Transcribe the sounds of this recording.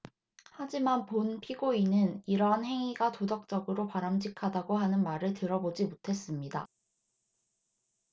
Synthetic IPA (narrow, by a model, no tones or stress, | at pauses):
had͡ʑimanponpʰiɡoinɯniɾʌɦanhe̞ŋiɡatodʌk̚t͡ɕ͈ʌɡɯɾopaɾamɕʰikʰadaɡoɦanɯnmaɾɯɭtɯɾʌbod͡ʑimotʰe̞s͈ɯmɲida̰